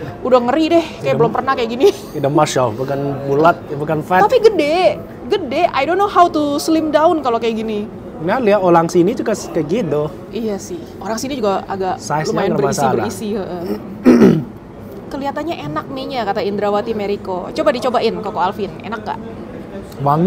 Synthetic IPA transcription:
udahŋəɾidɛhkajabəlʊmpərnahkajaʔɡini | idamaʃalbukanbulat̪̚bukanfɛt̪apiɡədɛ | ɡədɛajdonːoɦawt̪uslɪmdaʊnkalokajaʔɡini | naliaolaŋsinid͡ʒukaskaɡido | ijasɪhoɾaŋsinid͡ʒuɡaa̰ɡaʔsajslumanəɾbəɾmaisaiəlraisiəʔə | kəliɦat̪anɲaʔenak̚meɲakat̪aind̪ɾawat̪imeɾiko̰t͡ʃobadit͡ʃobaʔɪnkokoalfɪnḛnakːa̰ʔ | waŋ

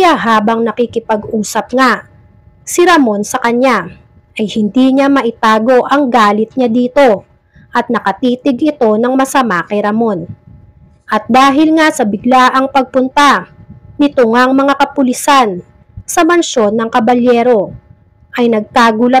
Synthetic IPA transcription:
jaɦaːbɐŋnɐkɪkɪpɐɡʔuːsɐp̚ŋa | sɪɾɐmo̞nsɐkɐɲa | ʔɐjhɪnd̪iɲamɐʔɪt̪aːɡo̞ʔɐŋɡaːlɪt̪̚ɲad̪iːt̪o̞ | ʔɐt̪̚nɐkɐt̪iːt̪ɪɡʔɪt̪o̞nɐŋmɐsɐmaːkɛɾɐmo̞n | ʔɐt̪̚d̪aːɦɪlŋasɐbɪɡlaʔɐŋpɐɡ̚pʊnt̪anɪt̪oŋaŋmɐŋakɐpʊlɪsan | sɐmɐnʃo̞nːɐŋkɐbɐljɛːɾo̞ | ʔɐjnɐɡ̚t̪aɡulɐ

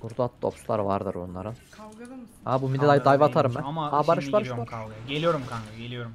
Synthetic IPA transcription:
buɾd̪at̪̚ːo̰pslˠa̰ɾɯvaɾd̪ɯ̰ɾbṵnlˠa̰ɾɯn | habumid̪ɛd̪ajd̪ajvat̪ʰaɾɯmːɛmabaɾɯʃbaɾɯʃaɾelʲijoɾumkʰaelʲijoɾm

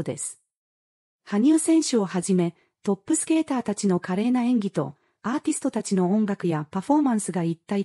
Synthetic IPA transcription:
d̪e̞̰sɨ̥ | haɲ̟ʲɨːsẽ̞ɰ̃ɕɨo̞haʑime̞ | t̪o̞pːɯ̟sɨ̥ke̞ːt̪aːt̪at͡ɕino̞kaɾe̞ːnaẽ̞ŋɡʲit̪o̞̰ | aːt̪ʲisɨ̥t̪o̞t̪at͡ɕino̞õŋɡakɯ̟japaɸo̞mãɰ̃sɨɡait̪ːai

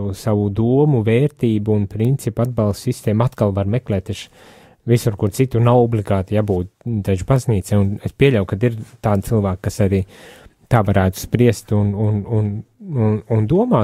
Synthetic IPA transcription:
usaʋud̪uɔmuveːɾt̪iːbuːnpɾint̪sipad̪̚balˠst̪sist̪ɛːmat̪kalˠvaɾmɛklɛːt̪eʃ | visuɾkuɾsit̪unawɔblʲiɡaːt̪jabuːt̪d̪aʒubazniːt̪sɛːunespiɛʎʲawkad̪iɾt̪aːd̪̚t̪silˠvaːkkːasaɾiːt̪aːvaɾæːt̪u̥spɾiɛst̪unununnund̪uɔmaː

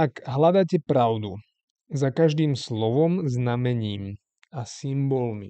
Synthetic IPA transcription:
akɦlad̪acɛpɾaʊd̪u | zakaʒd̪iːmslɔʋɔmznamɛɲiːm | asimbɔlmḭ

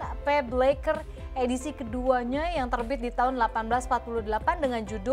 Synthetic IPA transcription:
pɛblekər | edisikəduaɲajaŋt̪ərbɪt̪̚dit̪aɦʊnlapanbəlasmpat̪̚puluhdəlapandəŋand͡ʒudʊ

